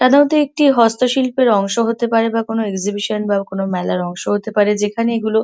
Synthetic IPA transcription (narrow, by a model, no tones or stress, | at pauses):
t̪ad̪eot̪eek̚ʈiɦɔst̪oʃilpeɾɔŋʃoɦot̪epaɾebakonoekd͡ʑibiʃonbakonomɛlaɾɔŋʃoɦot̪epaɾed͡ʑekʰaneeɡulo